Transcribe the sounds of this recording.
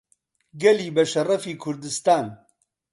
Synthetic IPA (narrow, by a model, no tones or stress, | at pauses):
ɡɛliːbɐʃɐrɐfiːkʰʊɾd̪ɨst̪aːn